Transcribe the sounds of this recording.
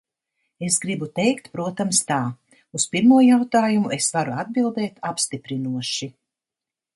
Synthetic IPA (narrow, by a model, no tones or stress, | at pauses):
esɡɾibut̪ɛjkt̪pɾuɔt̪amst̪aː | uspiɾmuɔjawt̪aːjumuʔesvaɾuad̪̚bilˠd̪ɛːt̪apst̪ipɾinuɔʃi